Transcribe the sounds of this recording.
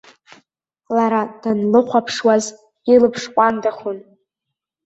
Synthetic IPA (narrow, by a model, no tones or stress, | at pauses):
laɾad̥anlɨχʷapʰʂwaz | ilɨpʰʂkʷʼandaχʷʊn